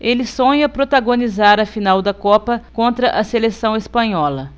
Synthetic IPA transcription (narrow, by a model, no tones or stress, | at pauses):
elɪsõɲɐpɾot̪aɡonizaɾɐfinawd̪ɐkɔpɐkõnt̪ɾɐʔɐselesɐ̃w̃espɐ̃ɲɔlɐ